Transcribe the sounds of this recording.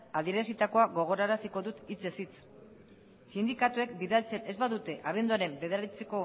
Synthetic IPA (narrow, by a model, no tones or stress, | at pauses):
aðieɾesit̪ako̞aɣo̞ɣ̞o̞ɾaɾasiko̞ðut̪it͡se̞sit͡s | sind̪ikat̪ue̞kbiðalt͡se̞ne̞zβaðut̪e̞ʔaβ̞e̞nd̪uaɾe̞mbe̞ð̞eɾaɾit͡seko̞